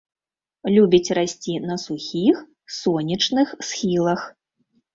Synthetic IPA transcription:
lʲubʲit͡sʲrasʲt͡sʲinɐsuxʲix | sɔnʲɐt͡ʂnɨxsxʲilˠɐx

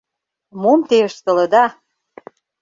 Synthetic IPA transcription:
momt̪eəʃt̪ə̆lɤ̆d̪ɑ

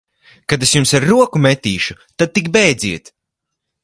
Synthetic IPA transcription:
kad̪esjumsaɾːuɔkumet̪iːʃut̪ad̪̚t̪ikbɛjd̪ziɛt̪

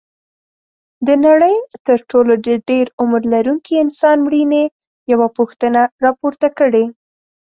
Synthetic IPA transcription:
d̪ənaɽəjt̪əɾʈoloɖəɖeɾʊmɾlaɾuŋkʰiɪnsɑnmɽine | jawapʊxt̪ənaɾɑpoɾt̪akəɽe

